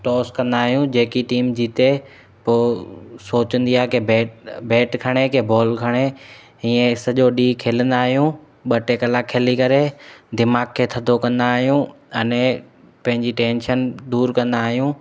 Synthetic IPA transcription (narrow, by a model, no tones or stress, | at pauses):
ʈɔːskɐ̃nd̪aːɦijũd͡ʑeːkiʈiːmd͡ʑit̪e | poːsoːt͡ɕə̃nd̪iaːɦekebeːʈbeːʈkʰɐɽ̃ekebɔːlkʰɐɽ̃e | iːẽsɐʄoɗiːkʰeːlə̃nd̪aːɦijũ | ɓɐʈekɐlakʰeːlikɐɾed̪ɪmaːɡ̚kʰːeːt̪ʰɐd̪ʱokɐ̃nd̪aːɦijũ | ɐnɛ̃ | pɐ̃ɦɪ̃ɲd͡ʑiʈẽːnʃənd̪uːɾkɐ̃nd̪aːɦijũ